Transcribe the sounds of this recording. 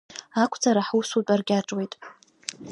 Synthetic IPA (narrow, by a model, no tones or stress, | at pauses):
akʷʰd͡zaɾaħusut͡pʼarɡʲaʈ͡ʂʼwejtʼ